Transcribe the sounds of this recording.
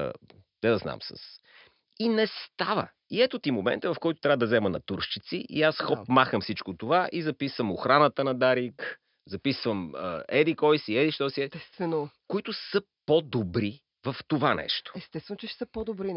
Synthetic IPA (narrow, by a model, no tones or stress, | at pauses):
d̪ɛd̪ɐzna̰msə̰s | inɛst̪avə̰ | iɛt̪ot̪imomɛ̰nt̪əvɐfkɔjt̪o̥t̪ɾʲavəd̪ɐzɛmənɐ̰t̪uɾʃt͡ʃit̪sḭʔḭasxɔpmaxəmfsit͡ʃkot̪ovaʔizɐpisvəmoxɾanət̪ənɐd̪aɾik | zɐpisvəmə̰ɛd̪ikɔjsiɛd̪iʃt̪ɔsiɛɛst̪vɛnokoit̪ʊsə | pod̪obɾi | vɐft̪ovanɛ̰ʃt̪o̥ɛst̪ɛst̪vɛnʊt͡ʃɛʃsəpod̪obɾi